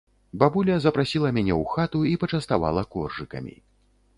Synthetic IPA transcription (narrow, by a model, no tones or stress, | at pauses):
babulʲɐzɐpɾasʲilˠɐmʲanʲɛwxat̪uipɐt͡ʂɐst̪ava̰lˠɐkɔrʐɨkɐ̰mʲḭ